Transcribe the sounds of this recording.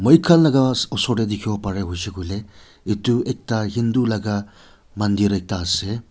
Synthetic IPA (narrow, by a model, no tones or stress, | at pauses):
məjkʰalnaɡaɔsɔɽed̪ikʰibapaɾeɦujsekʰujle | ituek̚taɦind̪ulaɡa | mand̪iɾejk̚taːse